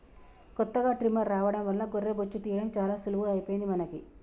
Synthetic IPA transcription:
kɔt̪ːɐɡaːʈɾimɐɾːaːʋɐɽɐmʋɐlːɐɡorːeːbot͡ʃːut̪iːjɐɽɐmt͡ʃaːlaːsuluʋuɐjpojind̪imɐnɐki

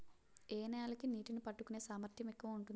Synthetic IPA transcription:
eːnɐjaːlɐkiniːʈinupɐʈːukːune̞ːsaːmɐɾt̪ʰjɐmekːɐʋɐmuɳʈun

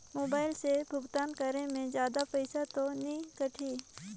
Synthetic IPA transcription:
moːbaːɪlsebʱʊɡt̪aːnkəɾemẽzjaːd̪apɛɪsat̪onĩkəʈʰiː

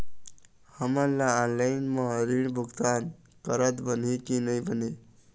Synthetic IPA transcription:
həməɾlaanlaɪnmaɾiɽ̃bʱuɡt̪an | kəɾət̪bən̤ekinəjbəne

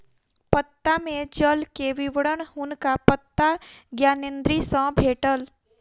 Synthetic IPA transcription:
pət̪ːamẽd͡ʒəlkeʋɪʋəɽəɳɦʊnkapət̪ːaɡjaːnẽnd̪ɾisə̃bʱeːʈəl

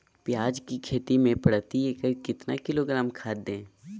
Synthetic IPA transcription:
pjaːd͡ʒkikʰeːt̪imẽpɐɽt̪ieːkəɾkɪt̪na̰kɪloːɡɾaːmkʰaːd̪ẽː

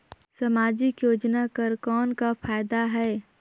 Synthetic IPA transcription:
səmaːd͡ʒɪkjoːd͡ʒnakəɾkɔːnkapʰaːjd̪aɦɛː

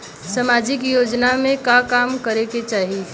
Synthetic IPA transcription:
sɐmaːd͡ʒɪkjoːd͡ʒnamẽkakaːmkɐɾeket͡ʃaːɦie

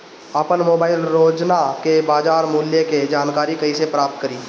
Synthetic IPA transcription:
əpənmoːbaːɪlɾoːd͡ʒnakebaːd͡ʒaːɾmuːljeked͡ʒaːnkaːɾikɐisepɾaːp̚t̪kəɾiː

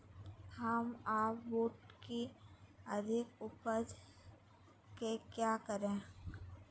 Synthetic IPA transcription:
həmaːpʋoːʈkiəd̪ʱɪkʊpəd͡ʒ | kekjaːkəɾẽː

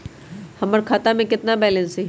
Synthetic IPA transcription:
hɐməɾkʰaːt̪amẽkɪt̪nabɛːlɛ̃nseː

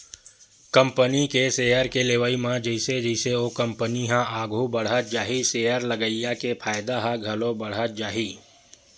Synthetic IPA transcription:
kə̃mpənikeseːjəɾkeleʋəimãd͡ʒəɪsed͡ʒəɪseokɐ̃mpəniɦãʔaːɡʱubəɽ̤ɦət̪̚d͡ʒaːɦiseːjəɾləɡəijakepʰaːjɪd̪aɦãɡʱɐlõbɐɽ̤ət̪̚d͡ʒaːɦiː

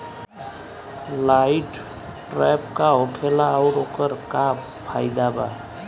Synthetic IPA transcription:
lajʈ | ʈɾɛp̚kaɦokʰelaːwɾokəɾkab | pʰajd̪aba̰

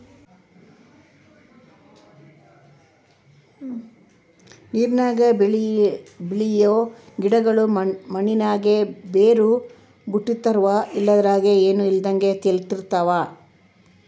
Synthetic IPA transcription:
niːɾnaːɡɐɭbiɭijoː | ɡiɽɐɡɐɭumɐninaːɡebeːɾu | buʈːit̪ːɐɾʋaʔilːɐd̪ɐɾaːɡeeːnuild̪ɐŋɡe̞t̪elt̪iɾt̪ːaʋaː

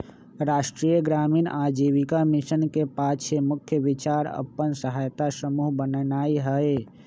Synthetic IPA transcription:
ɾaːʃʈɾijəɡɾaːminʔad͡ʒiʋikamiʃənkepaːʃemʊkʰjəʋɪt͡ʃaːɾə̰pːənsəɦaːjt̪asəmuːɦbənnaːiɦəe

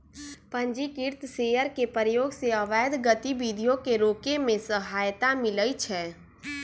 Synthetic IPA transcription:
pə̃ɲd͡ʒikiɾt̪seːjəɾkepəɾəjoːɡseəʋɛːjd̪ɡət̪ibid̪ʱijõkeɾoːkemẽsəɦaːjt̪amɪləit͡ʃʰɛː

